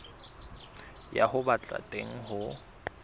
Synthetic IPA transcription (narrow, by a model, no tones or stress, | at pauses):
ja̰hʊbat͡ɬʼa̰tʼeŋ̩ɦʊ